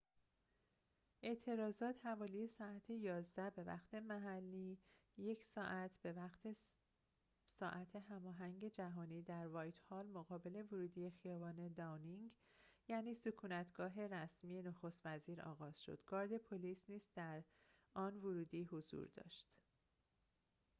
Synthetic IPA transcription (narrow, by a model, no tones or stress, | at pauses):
ʔe̞ʔt̪ʰe̞ɾɒːzɒːt̪ʰhævɒːlije̞sɒːæt̪ʰe̞jɒːzd̪æbe̞væ̰xt̪ʰe̞mæɦælːiː | je̞cʰsɒːʔæt̪ʰbeæxt̪ʰe | sɒːʔæt̪ʰe̞ɦæmɒːɦæŋɟe̞d͡ʒæɦɒːniːd̪æɾvɒːjt̪ʰhɒːlmoɣɒːbe̞le̞voɾuːd̪ije̞xijɒːbɒːne̞d̪ɒwniŋɡjæːniːsukʰuːnæt̪ʰɡ̥ɒːɦe̞ɾæsmije̞noxo̞st̪væziːɾɒ̰ːɣɒːz̥ʃo̰d̪̥ɡɒːɾd̪e̞pʰolisniːzd̪̥æɾɒːnvoɾuːd̪iːhozṵɾd̪ɒ̰ːʃt̪